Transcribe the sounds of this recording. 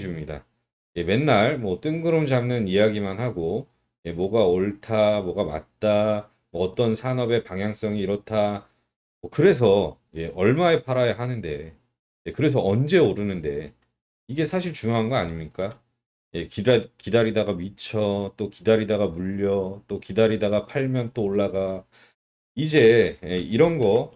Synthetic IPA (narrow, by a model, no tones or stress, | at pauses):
d͡ʑimɲida̰ | je̞me̞nːaɭmwʌt͈ɯŋɡɯɾɯmd͡ʑamnɯnijaɡimanhaɡo | je̞mwʌɡaoɭtʰamwʌɡama̰t̚t͈a | mʌːt͈ʌnsʰanʌbe̞paŋɦjaŋs͈ʌŋiːɾʌtʰa | mʌkɯɾe̞s̬ʰʌ | je̞ʔʌɭmaepʰaɾajaɦanɯnde̞ | je̞kɯɾe̞s̬ʰʌʌnd͡ʑe̞oɾɯnɯnde̞̰ | iɡe̞sʰaɕ̬ʰiɭt͡ɕuŋjoɦanɡʌaɲimɲik͈a | je̞kikidaɾidaɡamit͡ɕʰʌt͈okidaɾidaɡamuʎːʌt͈okidaɾidaɡapʰaɭmjʌnt͈oːɭːaɡa | id͡ʑe̞jeiɾʌnɡʌ